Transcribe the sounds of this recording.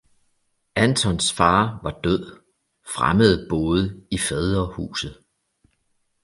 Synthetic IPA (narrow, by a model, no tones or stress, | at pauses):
ænt͡sʰɒ̽nsfɑ̈ːʋɑ̈d̥øð̰ˠ | fʁaməð̞̩ˠb̥ɔːð̞ˠəifɛðˠɐhṵːsð̩ˠ